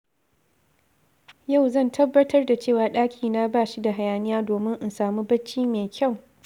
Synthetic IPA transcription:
ja˦˨wzɐ˦˨ntʰɐ˦bːɐ˦tʰɐ˦rda˨t͡ʃeː˦˨waː˨ɗaː˦kʲʰiː˨naː˦baː˦˨ʃi˦da˨ɦa˨jaː˨nɪ˦jaː˦doː˨mɪ˦ŋʔa˨nsaː˨mu˦bɐ˦t͡ʃːiː˦meː˨kʲa˦˨w

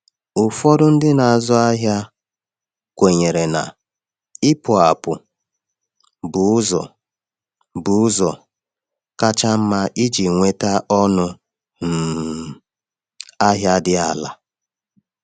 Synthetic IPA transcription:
ʊ˨fɔ˦dʊ˦n̩˦dɪ˦na˨a˨zɔ˦a˦ɦja˦ | kʷe˨ɲe˨ɾe˨na̰˨ | ɪ˦pʊ˨a˨pʊ˨ | bʊ˨ʊ˦zɔ̰˨ | bʊ˨˦ʊ˦zɔ˨ | ka˦t͡ʃa˦m̩˦ma˦ʔi˦d͡ʒi˨ŋʷe˦ta˦ʔɔ˦nʊ˦ | m̩˨ | a˦ɦja˦dɪ˦a˦la̰˨

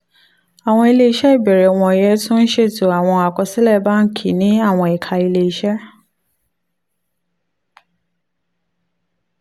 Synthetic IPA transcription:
a˨w̃ɔ̃˧i˧le˧i˧ʃɛ˦i˦˨bɛ˨ɾɛ˨w̃ɔ̃˧˨jɛ˦tũ˦n̩˦ʃe˦˨tu˨a˨w̃ɔ̃˧a˨kɔ˧si˦lɛ˦˨˦ba˦ŋ̩˦kʰi˦˨nĩ˦a˦˨w̃ɔ̃˧i˨kʰa˧i˧le˧i˧ʃɛ˦

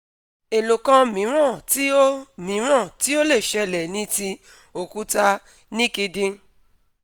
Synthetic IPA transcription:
e˨lo˨kã˧mĩ˨˦ɾ̃ã˦˨ti˦o˦mĩ˨˦ɾ̃ã˦˨ti˦o˦le˦˨ʃɛ˧lɛ˨nĩ˨˦ti˧ | o˨ku˨˦ta˧ | nĩ˦ki˧dĩ˧

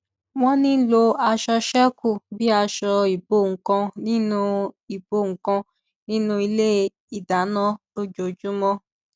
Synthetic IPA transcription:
w̃ɔ̃˦nĩ˦lo˧a˧ʃɔ˧ʃɛ˦ku˦˨bi˦a˧ʃɔ˧i˨bo˦˨ŋ̩˨kã˧nĩ˦nũ˦i˨bo˦˨ŋ̩˨kã˧ | nĩ˦nũ˦i˧le˦ | i˨da˨˦nã˦ | o˦d͡ʒo˨d͡ʒu˦mɔ̃˦

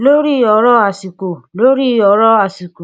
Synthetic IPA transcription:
lo˦ɾi˦˧ɔ˧˨ɾɔ˦a˨si˨ko˨lo˦ɾi˦˧ɔ˧˨ɾɔ˦a˨si˨ko˨

